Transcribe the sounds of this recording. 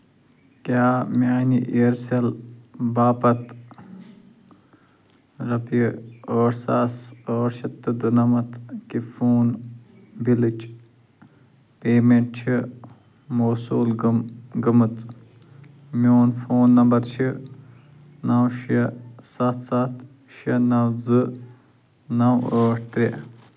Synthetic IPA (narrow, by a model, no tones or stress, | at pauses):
kaːmʲaːniʔeːɾselbaːpɐt̪ | ɾɐpiəːɾsaːsəːɾʃɐt̪ːɨd̪unɐmɐt̪kifoːn | bilɨt͡ʃ | peːmeɳʈ̚t͡ʃʰi | moːsuːlɡɐmɨt͡sʼ | mʲoːnfoːnːɐmbɐɾt͡ʃʰi | nɐwʃɐsɐt̪ʰsat̪ʰ | ʃɐnɐwzɨ | nɐwəːʈʰt̪ɾʲi